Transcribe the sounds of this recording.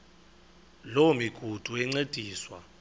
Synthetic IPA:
lomiɡ̥ʱud̥ʱuɛŋ͡ǀed̥ʱiːswa̰

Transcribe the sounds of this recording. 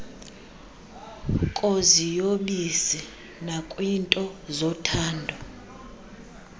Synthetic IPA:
kʼozijoɓisɛ | nakʼwintʼɔzɔtʰaːndʱɔ

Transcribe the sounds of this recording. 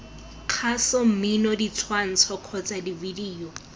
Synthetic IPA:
q͡χʰasɔm̩minɔdit͡sʰwan̩t͡sʰɔkʰɔt͡sʼadividiːɔ

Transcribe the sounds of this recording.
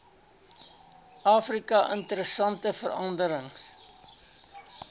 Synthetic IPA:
ʔɑːfrikɐʔə̰ntəɾəsɐntəfərɐndəɾəŋs

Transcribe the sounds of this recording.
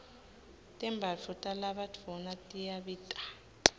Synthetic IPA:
tʼɛmbʱafutʼalaɓad͡vʰʱɔnatʼijaɓiːtʼḁ

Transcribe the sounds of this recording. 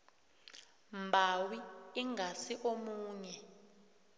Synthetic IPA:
mbʱawiːŋʱasiʔomuːɲɛ

